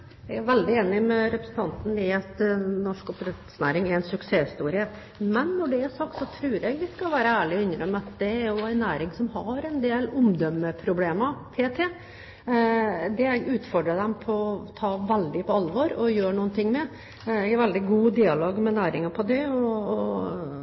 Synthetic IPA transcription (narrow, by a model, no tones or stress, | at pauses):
ɛɡæɾʋɛld̪ɪeːnɪmɛɾɛpɾəsn̩t̪ʰɑnt̪nɪɑt̪nɔʂkɔpɾɛt̪snæːɾɪŋɛɾɛnsʉkseːɪst̪uːɾɪə | mɛnːɔɖɛæʂɑk̚t̪sɔt̪ʰɾʉːɾɛɡʋ̪ɪskɑlʋæːɾəæːɭɪɔʏnɾəmːəɑt̪d̪ɛæɾjʊæɪnæːɾɪŋsɔmɦɑɾɛnd̪eːlʊmd̪œmːəpʰɾʊbleːmɑp̪ʰeːt̪ʰe | d̪ɛɛɡʉːt̪fɔɖɾəd̪ɛmpʰɔt̪ʰɑːʋɛld̪ɪpʰɔɑlʋɔɾɔjøːɳuːənt̪ɪŋːmɛ | ɛɡæɾʋɛld̪ɪɡuːd̪iːɑloːɡmɛnæːɾɪŋɑpʰɔd̪ɛɔɔ